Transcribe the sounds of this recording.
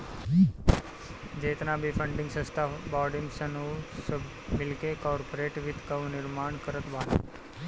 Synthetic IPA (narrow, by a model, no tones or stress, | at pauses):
d͡ʑet̪nabʱifəɳɖiŋɡsə̃st̪ʰabɔɽimsənusəb | milkekɔɾpoɾeʈʋit̪kəʋniɾmaɳkəɾət̪ʋana̰